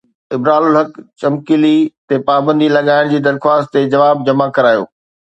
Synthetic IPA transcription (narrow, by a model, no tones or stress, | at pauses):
ɪbɾaːlʊlɦɐkt͡ɕɐmkilit̪epaːbə̃nd̪ilɐɠaːɪɽ̃d͡ʑiːd̪ɐɾxwaːst̪t̪ed͡ʑɐʋaːb̚d͡ʑɐmakɐɾaːjo̰ː